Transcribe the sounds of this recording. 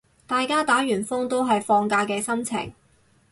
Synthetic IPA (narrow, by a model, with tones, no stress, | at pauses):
t̪aː˨jkaː˥t̪aː˨˥ɥyː˨˩nfʊ˥ŋt̪o˥wɦɐ˨jfɔː˧ŋkaː˧kɛː˧sɐ˥mt͡sʰɪ̰˨˩ŋ